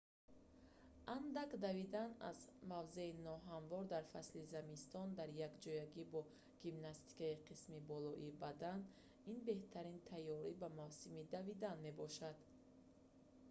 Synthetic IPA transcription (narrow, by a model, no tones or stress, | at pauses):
ʔand̪akd̪avid̪ana̰zmavze̞inɔɦanvɔɾd̪aɾfaslizamist̪ɔnd̪aɾjakd͡ʒɔjaɡibɔ | ɡ̥imnast̪i̥kaiqʰismibɔlɔʔibad̪an | inbe̞ht̪ʰaɾint̪ʰajːɔɾibamavsimid̪avid̪anme̞bɔʃad̪